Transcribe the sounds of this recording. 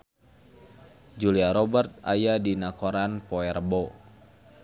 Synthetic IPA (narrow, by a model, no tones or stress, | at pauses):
d͡ʒuliaɾɔbərt̪̚a̰jadinakɔɾanpɔɛrbɔ